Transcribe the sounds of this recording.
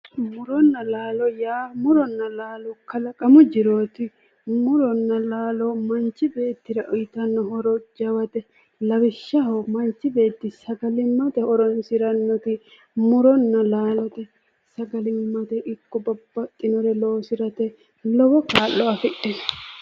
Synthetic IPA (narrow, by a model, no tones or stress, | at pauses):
mʊɾɔnːɐlaːlɔjaːmʊɾɔnːɐlaːlɔkɐlɐkʼɐmʊd͡ʒɪɾoːt̪ɪ | mʊɾɔnːɐlaːlɔmɐnt͡ʃːɪbe̞ːt̪ːɪɾɐʔɔjɪt̪ɐnːɔhɔɾɔd͡ʒɐwɐt̪ɛ | lɐwɪʃːɐɦɔmɐnt͡ʃːɪbe̞ːt̪ːɪsɐɡɐlɪmːɐt̪ɛɔɾɔnsɪɾɐnːɔt̪ɪ | mʊɾɔnːɐlaːlɔt̪ɛ | sɐɡɐlɪmmːɐt̪ɛʔɪkːɔbɐbːɐt̪ʼːɪnɔɾɛloːsɪɾɐt̪ɛ | lɔwɔkaːlːɔɐfɪɗɛn